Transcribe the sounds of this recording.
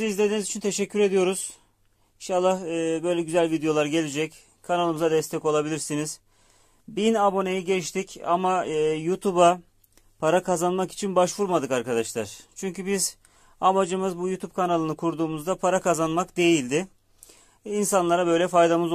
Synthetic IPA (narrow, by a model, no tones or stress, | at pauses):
izlʲe̞d̪inizit͡ʃʰint̪ʰe̞ʃɛcʰːyɾe̞d̪ijo̞ɾuz̥ | inʃalˠːahɯːbø̞jlʲɛɟyzælʲvid̪ejo̞lˠaɾɟe̞lʲid͡ʒɛc | kʰanalˠɯmɯzad̪ɛst̪ʰɛco̞lˠabilʲiɾsiniz̥ | binabo̞ne̞jiɟɛt͡ʃt̪ica̰maɯːjut̪ʰuba | pʰaɾakʰazanmaki̥t͡ʃʰinbaʃvuɾmad̪ɯkaɾkad̪aʃlˠaɾ̥t͡ʃʰyɲcʰybiz | amad͡ʒɯmɯzbujut̪ʰubp̚kʰanalˠɯnɯkʰuɾd̪uːmuzd̪apʰaɾakazanmakd̪e̞jilʲd̪ɪ | insanlˠaɾabø̞jlʲɛfajd̪amɯz